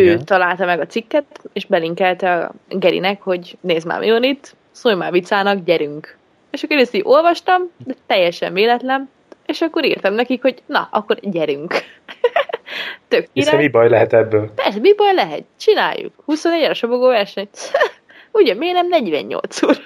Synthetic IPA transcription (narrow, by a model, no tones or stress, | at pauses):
øːt̪ɒlaːlt̪ɒmɛɡɒt̪sikːɛt̪t̪eːʃbɛliŋkɛlt̪ɛɒ̰ɡɛɾḭnɛkho̞ɟneːzma̰ːmʔḭonit̪ː | sojmaːvit̪saːnɒkɟɛɾyŋk | eːʃɒkːoɾest̪iʔo̞lvɒʃt̪ɒmd̪ɛt̪ɛjːɛʃɛ̰ɱveːlɛt̪lɛn | eːʃɒkːoɾḭːrt̪ɛmnɛkikho̞ɟnɒ̰ɒkːoɾɟɛɾyŋk | t̪økːiɾamibɒjlɛɦɛt̪ɛbːøːlpɛrsɛmibɒjlɛɦɛ̰t̪t͡ʃina̰ːjːṵkhusonɛɟɾɛʃoboɡoːvɛrʃɛɲ | uɟɒmeːnɛmnɛɟʋɛ̰ɲɲo̰lt̪suːr